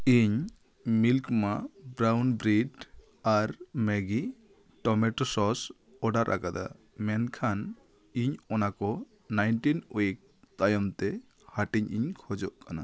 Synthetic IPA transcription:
iɲ | milkmabɾawnbɾiɖ | aɾmɛɡi | ʈɔmɛʈɔsɔs | ɔɖaɾʔa̰kad̪a̰ | mɛnkʰan | iɲɔnakɔ | najnʈinoik̚ | t̪ajɔmt̪ɛ | haʈiɲiɲkʰɔd͡ʒɔʔkana

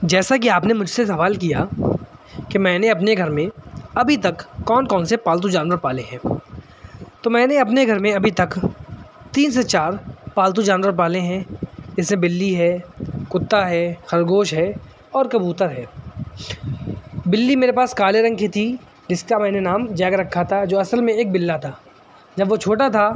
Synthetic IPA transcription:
d͡ʒɛːsak̬iaːpnemʊd͡ʒʱsesɐʋaːlkija | kemɛ̃ːneɐpneɡʱɐɾmẽɐbʱit̪ɐkːɔːnkɔːnsepaːlt̪̬ũd͡ʒaːnʋəɾpaːleɦɛ̃ː | t̪oːmɛ̃ːneɐp̬neɡʱɐɾmẽɐbʱit̪ɐk | t̪iːns̬et͡ʃaːɾpaːlt̪̬ud͡ʒaːnʋəɾpaːleɦɛ̃d͡ʒɪsmẽbɪlːiɦɛːkʊt̪ːaɦɛːxɐɾɡoːʃɦɛː | ɔːɾkɐbuːt̪əɾɦɛː | bɪlːimeːɾepaːskaːleɾɐ̃ŋɡkit̪ʰi | d͡ʒɪskamɛ̃ːnenaːmd͡ʒɛːɡɾɐkʰːat̪ʰad͡ʒoːɐsəlmẽeːk̚bɪlːat̪ʰaː | d͡ʒɐbʋot͡ʃʰoːʈat̪ʰa

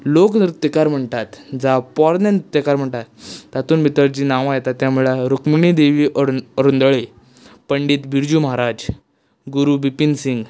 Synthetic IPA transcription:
loknɾut̪jəkaɾm̤əɳt̪at̪d͡zapɔɾnent̪jəkaɾm̤əɳt̪at̪ːat̪uːnbʱit̪əɾd͡ʑiːnãʋajet̪at̪ːjãmuɭaɾokmiɳid̪eʋiːʔəɾund̪əɭe | pəɳɖiːt̪bʱiɾd͡ʑuməɦaɾad͡ʑ | ɡuɾubipinsiŋɡ

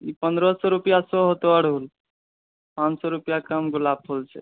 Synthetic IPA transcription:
ipənd̪ɾɔsɔɾupjasɔɦot̪oəɽ̤ɦol | pãt͡ʃsɔɾupjakəmɡulab̚pʰolt͡ʃʰɛ̰

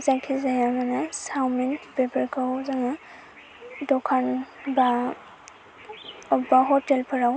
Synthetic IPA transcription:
zakʰizajamanasawmentbepaɾkʰawzaŋa | dɔkʰanba | ɔbaɦɔtelpʰɯɾaw

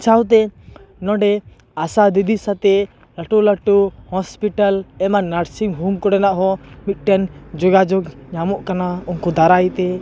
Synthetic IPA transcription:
t͡ʃawt̪̬ɛnɔ̃ɖɛ | asad̪id̪isat̪ɛ | ləʈuləʈuhɔspiʈalɛmanaɾsiŋɦuŋkɔɽɛnaʔɦɔmit̪̚ˀʈɛnd͡ʒɔɡad͡ʒɔɡɲamɔʔkanaunkɔd̪aɾajt̪ɛ

